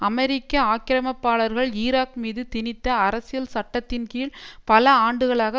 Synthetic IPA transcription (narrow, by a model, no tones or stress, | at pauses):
ɐmɛɾɪkːɐaːkːɪɾɐmɐpːaːɭɐɾɣɐɭiːɾaːkmiːðɯt̪ɪnɪt̪ːɐːɾɐsɪjɐlsɐʈːɐt̪ːɪnkiːɭpɐlɐaːɳɖɯɣɐɭaːɣɐ